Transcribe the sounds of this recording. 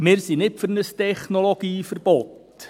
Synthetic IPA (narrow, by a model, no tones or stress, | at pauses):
mɪːɾsinɪpføɾnəstɛχnoloɡ̥iːfəɾb̥ɔt